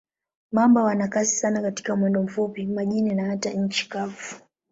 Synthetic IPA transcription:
mambɔwanakasi̥sanakati̥kamwɛndɔm̩fupimaʄinɛnahataɲ̩t͡ʃi̥kafu̥

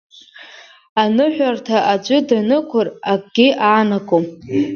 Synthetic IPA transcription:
anɨħʷᶣartʰaʔad͡ʒʷʼʊdanɨkʷʰʊrakʼɡ̥ʲɪʔaːnakʰʼom

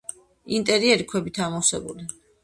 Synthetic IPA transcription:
int̪ʼɛɾiɛɾikʰwɛbit̪ʰamɔwsɛ̰buli

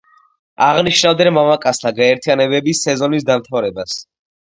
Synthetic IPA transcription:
aʁniʃnavd̪ɛnmamakʼast̪ʰaɡaɛɾt̪ʰijanɛbɛbisːɛzɔnisd̪amt̪ʰavɾɛbas

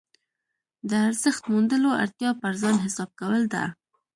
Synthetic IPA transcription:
d̪əaɾzəxt̪mund̪əloa̰ɾt̪jɑpəɾzɑnɦɪsɑb̚kawəld̪a̰

